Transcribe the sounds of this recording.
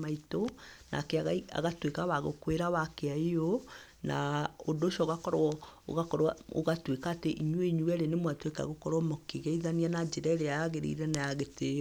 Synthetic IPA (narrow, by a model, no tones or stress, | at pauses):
aitona̰keaɣa̰ɣatwekaβaɣo̰kweɾaβakeaijo | naondoʃɔɣakɔɾɔo̰ɣakɔɾao̰ɣatwekaːteʔḭɲweiɲuɛɾenemwatweka̰ɣokɔɾwɔmokeɣɛiðanianad͡ʒeɾaeɾeajaɣeɾḛiɾɛnajaɣete